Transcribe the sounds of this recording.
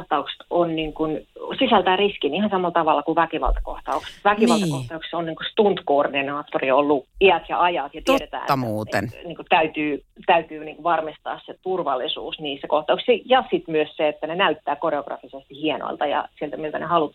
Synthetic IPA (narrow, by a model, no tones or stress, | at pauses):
ht̪ɑukse̥t̪onniːŋkunsisælt̪æːriskinihɑnsɑmɑlt̪ɑʋɑlːɑkuʋækiʋɑ̰lt̪ɑko̰ht̪ɑukst̪ʋækiʋɑlt̪ɑkoht̪ɑukse̥onniːŋkuset̪unt̪koːrdinɑːt̪ːoriolːuiæt̪jɑɑjɑt̪jɑt̪eɾet̪æ̰ːnuːt̪enniːŋkut̪æyt̪yːt̪æyt̪yːniːŋkuʋɑrmist̪ɑ̰ːsset̪urʋɑlːˑisṵːsniːsekoht̪ɑukssijɑsit̪myøsseet̪ːænenæyt̪ːæːkoreoɡ̥rɑ̰fisest̪ihieno̰ilt̪ɑjɑ̰sielt̪æmiyelt̪ænehɑlut̪